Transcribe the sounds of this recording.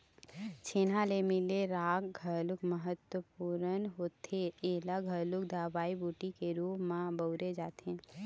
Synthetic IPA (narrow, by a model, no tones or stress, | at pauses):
t͡ʃʰeːnalemɪleɾaːkɡʱəɾlʊkməɦət̪wəpuːɾənɦoːt̪ʰeeːlaɡʱəlʊk̚d̪ʱaːbaːibuːʈikeɾuːpmãbəʊɾed͡ʒaːt̪ẽː